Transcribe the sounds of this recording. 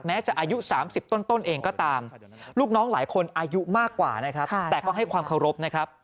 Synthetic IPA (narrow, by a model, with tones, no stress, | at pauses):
mɛː˦˥t͡ɕa˨˩ʔaː˧ju˦˥saː˩˦msi˨˩p̚t̪o˥˩nt̪o˥˩nʔeː˧ŋkɔː˥˩t̪aː˧m | luː˥˩k̚nɔː˦˥ŋlaː˩˦jkʰo˧nʔaː˧ju˦˥maː˥˩kːwa̰ː˨˩na˦˥kʰɾa˦˥p̪̚ɛː˨˩kɔː˥˩ɦa˥˩jkʰwaː˧mkʰa˧wɾo˦˥p̚na˦˥kʰɾa˦˥p̚